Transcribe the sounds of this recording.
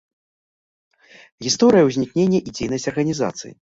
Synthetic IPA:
ɣʲist̪ɔɾɨjɐwzʲnʲiknʲenʲːɐʔid͡zʲejnɐsʲt͡sʲɐrɣɐnʲiza̰t̪sɨ̰jḭ

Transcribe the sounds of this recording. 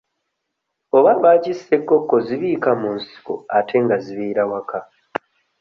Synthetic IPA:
o̞βaβaːcisekːo̞kːo̞ziβiːkamunsi̥ko̰atʰe̞ŋɡaziβiːɾawaka

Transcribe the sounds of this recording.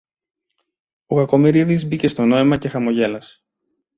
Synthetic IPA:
o̞ɣɐko̞miɾiðizbice̞st̪o̞no̞imɐce̞xɐmo̞ʝe̞lɐs

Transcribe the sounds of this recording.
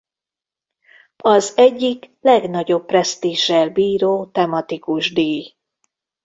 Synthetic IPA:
ɒzɛɟːiklɛɡnɒɟo̞pːrɛst̪iːʒɛlbiːɾoːt̪ɛmɒt̪ikuʒd̪eːj

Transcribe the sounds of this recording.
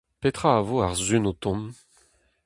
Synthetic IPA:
pet̪χaːvoaʁzynot̪ɔ̃m

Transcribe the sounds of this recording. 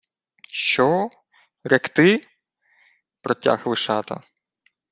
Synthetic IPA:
ʃt͡ʃɔ | ɾɛkt̪ɪ | pɾɔtʲa̰xʋɪʃɑt̪ɐ̰

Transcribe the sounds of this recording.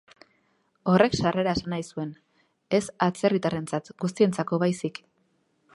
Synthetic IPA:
o̞re̞ksare̞ɾae̞sanajsue̞n | e̞sat͡se̞rit̪are̞nt͡sat̪ɡust̪ie̞nt͡sako̞βajsik

